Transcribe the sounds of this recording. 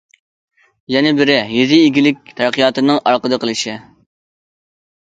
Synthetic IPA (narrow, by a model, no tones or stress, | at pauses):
jɛnɪbɪɾɪjezɪiɡʲilɪk̚ʲt̪ʰæɾqʰijɑt̪ɨnɨŋʔɑɾqəd̪əqʰəlˠɨʃɪ